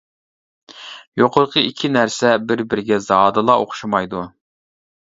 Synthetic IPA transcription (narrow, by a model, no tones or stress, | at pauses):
joqoɾqʰəikʲʰːinæɾsɛbɪɾbɪɾɪɡʲɛzɑːd̪ɨlˠɑoqʰʊ̥ʃumɑjd̪u